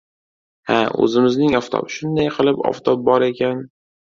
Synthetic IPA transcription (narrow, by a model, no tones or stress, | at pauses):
haɵ̰zɪmɪznɪŋɒft̪ʰɒ̰bʃʊnd̪ajqʰɨlˠɪpɒ̰ft̪ʰɒp̚bɒɾekʲʰan